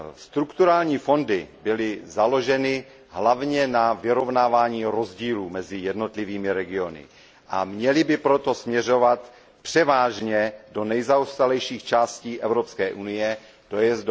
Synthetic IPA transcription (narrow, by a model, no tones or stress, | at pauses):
st̪ɾukt̪uɾaːlɲiːfo̞ndɪbɪlɪzalo̞ʒɛnɪ | ɦlavɲɛnavɪɾo̞vnaːvaːɲiːɾo̞zɟiːluːmɛzɪjɛdno̞t̪liviːmɪɾɛɡɪo̞nɪ̰ | ʔa̰mɲɛlɪbɪpɾot̪o̞smɲɛr̝o̞vat̪ | pr̝̥ɛvaːʒɲɛdo̞nɛjzaost̪alɛjʃiːxt͡ʃaːsciːʔɛvɾo̞pskɛːʔunɪjɛ | t̪ojɛzd